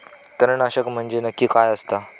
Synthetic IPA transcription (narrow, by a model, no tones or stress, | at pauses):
t̪əɾnaɕəkm̤əɳd͡ʑenəkːiːkajəst̪a